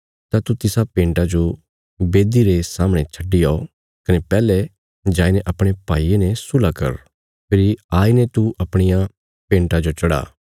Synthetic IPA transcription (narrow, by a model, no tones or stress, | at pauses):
t̪at̪ut̪ɪsapẽːɳʈad͡ʒo | beːd̪iɾesaːmɽ̃et͡ʃʰɐɖɪjao | kɐnepɛːlɛ | d͡ʒaːinɛʔɐpɽ̃epaːienɛ̃sʊlakɐ̰ɾ | pʰɪɾiaːinɛt̪uʔɐpɽ̃ɪja | pẽːɳʈad͡ʒot͡ʃɐɽa̰ː